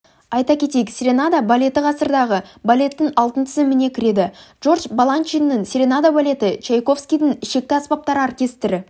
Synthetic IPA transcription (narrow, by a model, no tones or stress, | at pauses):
ɑjt̪ɑkʲe̞t̪ekʲsʲɾʲenad̪abalʲe̞t̪əqɑsəɾd̪ɑʁəbalʲe̞t̪ːɪŋɑlˠt̪ənt̪ʰɪzɪmɪne̞kʲʰɪɾe̞d̪ɪʒ̥o̞rʒbalˠant͡ʃinːɪŋsʲɾʲe̞nad̪abalʲe̞t̪ɪt͡ʃejko̞fskʲijd̪ɪŋɪʃe̞k̚t̪ɪɑspɑp̚t̪ɑɾəarkʲe̞st̪ɪɾɪ